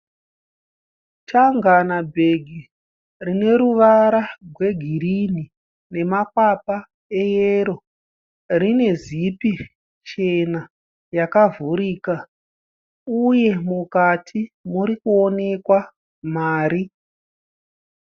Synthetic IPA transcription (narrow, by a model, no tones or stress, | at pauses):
taŋɡanabʱe̞ɡʱi | rine̞ɾuʋaɾarʱwe̞ɡʱiɾini | ne̞makwapa | e̞jeɾo̞ | rine̞zipi | t͡ʃe̞na | jakavuɾiːka | uje̞mukatʰimuɾikuone̞kwa | maːɾi